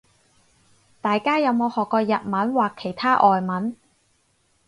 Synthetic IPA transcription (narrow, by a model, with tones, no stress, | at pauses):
t̪aː˨jkaː˥jɐ˨˧wmo˨˧hɔː˨kːɔː˧jɐ˨t̚mɐ˨˥nwaː˨kʰːe˨˩jt̪ʰaː˥ʔɔː˨jmɐ˨˥n